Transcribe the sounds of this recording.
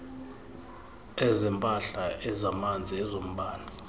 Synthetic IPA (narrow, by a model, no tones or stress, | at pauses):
ɛzɛmpʼaɬaʔɛzamand͡zʱiɛzom̩bʱaːna